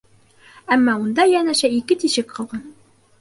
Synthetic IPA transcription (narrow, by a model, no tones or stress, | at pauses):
æmːɑund̪ɑjænæɕæikɘt̪iɕɘkqɤ̆lˠʁɤn